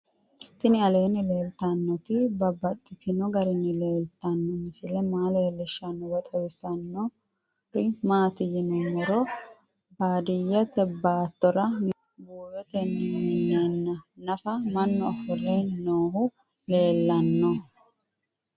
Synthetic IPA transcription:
t̪ɪnɪɐle̞ːnɪle̞ːlt̪ɐnːɔt̪ɪbɐbːɐt̪ʼːɪt̪ɪnɔɡɐɾɪnːɪle̞ːlt̪ɐnːɔmɪsɪlɛmaːlelːɛʃːɐnːɔwɐt̪ʼɔjsɐnːɔ | ɾɪmaːt̪ɪjɪnɔmɛɾɔ | baːd̪ɪjːɐt̪ɛbːaːt̪ːɔɾɐ | buːjɔt̪ɛnːɪnnenːɐnɐfɐmɐnːɔɐfʊrennoːhʊ | le̞ːlːɐnːɔ

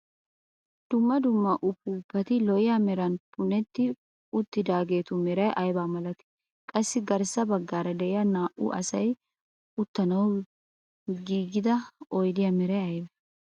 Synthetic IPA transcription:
d̪̥ʊmːɐd̪ʊmːɐʔʊpːuːpːɐt̪ɪlɔjɪjamɛɾɐnpʊnɛt̪ːɪ | ʊt̪ːɪd̪aːɡe̞ːt̪ʊmɛɾɐjʔɐjbaːmɐlɐt̪ɪ̥ | kʼɐsːɪɡɐɾsɐbɐɡːaːɾɐd̪ɛʔɪjanaːʔʊ̰ʔɐ̰sɐj | ʊt̪ːɐnɐw | ɡiːɡɪd̪ɐɔjd̪ɪjɐmɛɾɐjɐjbɛ

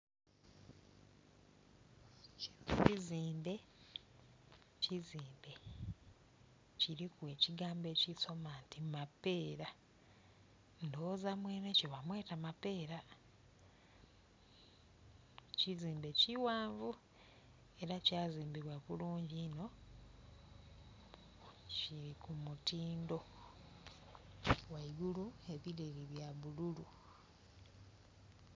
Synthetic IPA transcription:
ciziːmbe̞ | ciziːmbe̞ | ciɾikwe̞ːciɡaːmbe̞ciso̞mantimape̞ːɾa | ndo̞zamweːneceβamwe̞ːtamape̞ːɾa | ciziːmbe̞ciwaːɱvu | e̞ɾacaːziːmbiβwaβuluːɲɟino̞ | ciɾikumutiːndo̞ | waiɡulue̞βileɾiβjaβululu

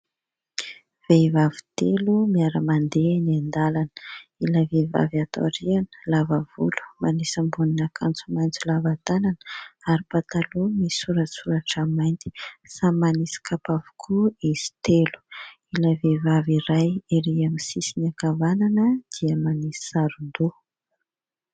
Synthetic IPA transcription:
v̥evavi̥t̪elumiaɾəmand̪eniand̪alanilaveva̰vat̪o̰aɾianə̥lavəvulu̥manisəmbuninakʰant͡sumajnt͡sulavat̪ananə̥aɾipat̪alumisuɾasuɾaʈ͡ʂamajnt̪i̥samanisi̥kapavu̥kʰuiz̥i̥t̪elu̥ | ilavevaviɾajeɾiamisisiniakavananəd̪̥iəmanisi̥saɾund̪u

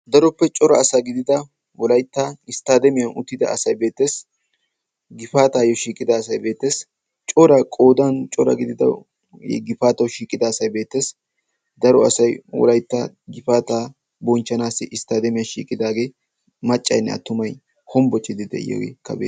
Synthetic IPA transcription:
d̪ɐɾɔpːɛt͡ʃʼɔɾɐːsaɡɪd̪ɪd̪ɐ | wɔlɐjt̪ːaɪst̪aːd̪ɛmɪjɐnʊ̰t̪ːɪd̪ɐ̰ɐsɐjbeːt̪ːe̞ːs | ɡɪfaːt̪aːjɔʃiːkʼɪd̪ɐːsɐjbe̞ːt̪ːe̞ːs | t͡ʃʼɔɾɐkʼo̞ːd̪ɐnt͡ʃʼɔɾɐ̰ɡɪd̪ɪd̪ɐ̰ | ɡɪfaːt̪ɐwʃiːkʼːɪd̪ɐːsɐjbeːt̪ːe̞ːs | d̪ɐɾɔɐsɐjwɔ̰lɐjt̪ːa | ɡɪfaːt̪aː | bɔnt͡ʃːɐnaːsɪʔɪst̪aːd̪ɛmɪjɐʃiːkʼːɪd̪aːɡe̞ː | mɐt͡ʃʼːɐjnːɛ̰ɐ̰t̪ːʊmɐj | hɔmbɔt͡ʃːɪd̪ɪd̪ɛ̰jɔ̰wɛ̰kːɐ̰bḛː

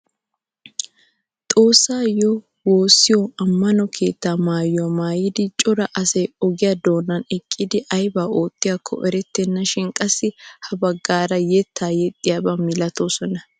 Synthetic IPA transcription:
t̪ʼo̞ːsːaːjɔ | woːsːɪjɔɐmːɐnɔkʰe̞̰ːt̪ːaːmaːjɐmaːjɪd̪ɪt͡ʃʼɔɾɐʔɐsɛjɔɡɪjɐd̪o̞ːnːɐnɛkʼːɪd̪ɪʔɐjbaːʔo̞ːt̪ːɪjakʰːɔ̰ʔɛɾɛt̪ːɛnːɐʃɪŋkʼɐsɪhɐbɐɡːaːɾɐjɛt̪ːaːjɛt̪ʼːɪjabɐmɪlɐt̪ʰosɔnɐ

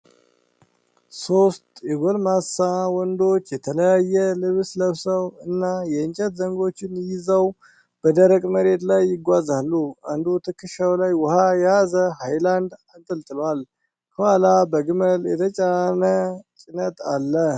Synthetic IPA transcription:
so̞st̪jɛɡolmasawɔnd̪o̞t͡ʃːjɛt̪ʰələjajːɛlɨβsləβsəwɨnːajɛɨnt͡ʃʼət̪zəŋɡo̞t͡ʃːɪnjɪzəw | b̥əd̪əɾəkʼməɾe̞t̪lajːɪɡʷazalːuand̪ut̪ʰɨkːɨʃawlajwʊhajɛazəhajland̪ant̪ʼɨlt̪ʼɨlwal | kʰəhalabəɡɨməljɛt̪ʰət͡ʃʼanət͡ʃʼɪnət̪alːə

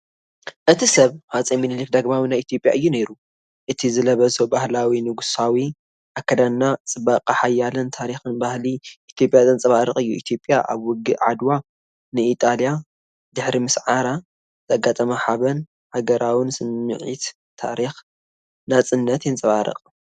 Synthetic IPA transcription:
ʔɨt̪ʰisɐβhat͡sʼiminɨlɨk̚d̪ɐɡmawinajit̪ʰjo̞pʼja̰ʔɨjːune̞ɾu | ʔɨt̪ʰizɨlɐβɐzobahlawinɨɡusawi | ʔakʰːɐd̪amnat͡sʼɨbɐqʼaħajːalɨnt̪ʰaɾixɨnbahliʔit̪ʰjo̞pʼjazɨnt͡sʼɐβaɾɨχʼɨjːuḭt̪ʰjo̞pʼːjaʔa̰βwʊɡːɨʔʕa̰d̪wa | nɨit̪ʼalja | d̪ɨħɾimɨsʕaɾa | zaɡat̪ʼɐmɐħaβɐn | haɡɐɾʔawɨnsɨnːɨ̰ʕḭt̪ | t̪ʰa̰ɾix | nat͡sʼɨnːɐt̪jɨnt͡sʼɐβaɾɨ̰qʼ

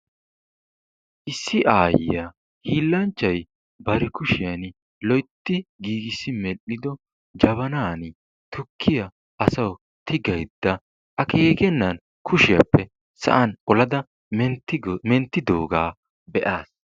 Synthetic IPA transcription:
ʔɪsːɪʔaːjɪja | hiːlːɐnt͡ʃːɐj | bɐɾɛkʊʃɪjɐn | lɔjt̪ːɪɡiːɡɪsːɪmɛʔːɪd̪ɔ | d͡ʒɐβɐnaːnɪ | t̪ʰʊkʰːɪjɐ | ʔɐsɐw | t̪ɪɡɐjd̪ːɐ | ʔɐkeːɡɛnːɐn | kʰʊʃɪjɐ̰pːɛ | sɐ̰ʔɐnʔɔlɐd̪ɐ | ɛnt̪ːmɛnt̪ːɪd̪o̰ːɡaː | bɛʔaːs

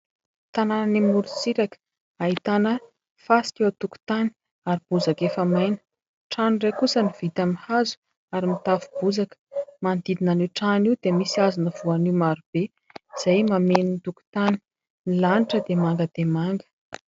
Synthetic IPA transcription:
t̪anananimuɾusiɾakə̥ | aɦit̪anə | fasi̥kʲewt̪uku̥t̪ani̥ | aɾib̥uzakefəmajnə̥ | ʈ͡ʂanrekusəniv̥it̪amihazu̥ | aɾimit̪afubuzakə̥mand̪id̪inaniʈ͡ʂaniwd̪emisiazunəv̥uanimaɾub̥e | z̥ajmameninit̪uku̥t̪ani̥ | nilaniʈ͡ʂəd̪emaŋɡəd̪emaŋɡə̥

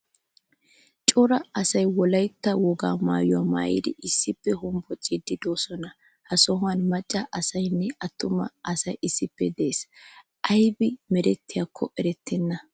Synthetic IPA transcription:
t͡ʃʼɔɾɐɐsɐjwɔlɐjt̪ːɐwɔɡa̰ːma̰ːjʊwama̰ːjḭd̪ɪɪsːɪpːɛhʊmbɔt͡sʼːid̪ɪd̪o̞ːsɔnɐ | hɐsɔɦʊanmɐt͡ʃʼːɐʔɐsɐjnːɛɐt̪ːʊmɐ̰ʔɐsɐjɪsːɪpːɛd̪e̞ːs | ʔɐjbɪmɛɾɛt̪ːɪjakʰːɔʔɛɾɛt̪ʰːɛnːɐ

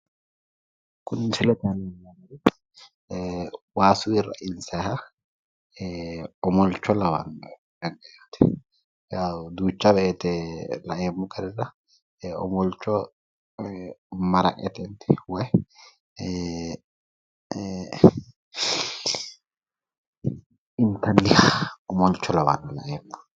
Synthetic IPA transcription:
kʊnsɪlɛt̪ɐnɐnːanɐɾɪ | waːsʊwirɐ̰ʔɪnsɐhɐ | ɔmɔlt͡ʃːɔlɐwɐ̰n | ɡɐŋɡɐjaːt̪ɛ̥ | ad̪uːt͡ʃːɐbɛet̪ɛlɐʔeːmːʊkʼɐɾɛɾɐ | ɔ̰mɔlt͡ʃːɔ | mɐɾɐ̰kʼɛ̰t̪ɛnt̪ɛ̥wɔj | ɪnt̪ɐlːɪhaɔmɔlt͡ʃːɔlɐwa̰ːnːɐlɐ̰ʔeːmːʊ

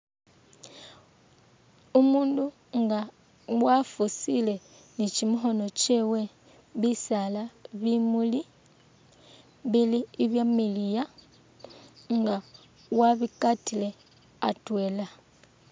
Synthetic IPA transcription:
umuːndu | ŋɡa | wafusile̞ | nicimuxo̞no̞t͡ʃewe̞ | βisalaβimuli | βiliːβjamilija | ŋɡa | waβikatile̞ | atwe̞ːla

